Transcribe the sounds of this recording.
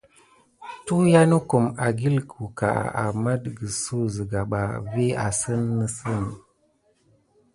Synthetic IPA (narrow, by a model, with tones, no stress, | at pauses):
tu˦ja˦nə˦ko˨ma˨ɡi˦lkʰu˨ka̰˨a̰˨ma˦dɡə˨so˦zə˨ɡa˨ɓa˨ve˦a̰˨sə˦nːə˦sə˦˨n˨